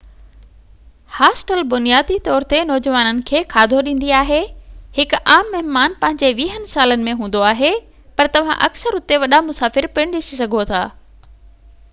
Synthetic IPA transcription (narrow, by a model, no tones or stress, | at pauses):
haːsʈəlbʊnijaːd̪it̪ɔːɾt̪enɔːd͡ʑʋaːnənɪ̆kʰeːkʰaːd̪ʱoɗĩːn̆d̪iaːɦehɪkaːmːɐɦɪmaːnpɐ̃ɦɪ̃ɲd͡ʑeʋiːɦənɪsaːlənɪ̆mẽɦũːn̆d̪oaːɦe | pɐɾt̪ɐʋ̤ã̰ʔɐ̰ksəɾʊt̪eʋɐɗamʊsaːfɪɾpɪɽ̃ɗɪsisɐɡʱot̪ʰaː